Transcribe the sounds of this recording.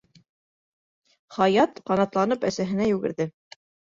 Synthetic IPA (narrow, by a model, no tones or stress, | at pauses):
χɑjɑt̪qɑnɑt̪lˠɑnɤpæsæɦɘ̆næjʉɡɘ̰̆ɾðɘ